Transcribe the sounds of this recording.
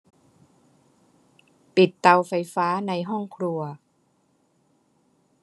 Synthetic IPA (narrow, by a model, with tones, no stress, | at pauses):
pi˨˩t̪ːa˧wfa˧jfaː˦˥na˧jɦɔ˥˩ŋkʰɾu˧ɐ